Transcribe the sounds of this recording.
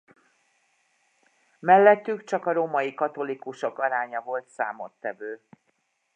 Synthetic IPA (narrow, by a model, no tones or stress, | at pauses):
mɛlːɛt̪ːykt͡ʃɒkɒɾoːmɒjikɒt̪o̞likuʃo̞kɒɾaːɲɒvo̞lt̪sa̰ːmo̞̰t̪ːɛvøː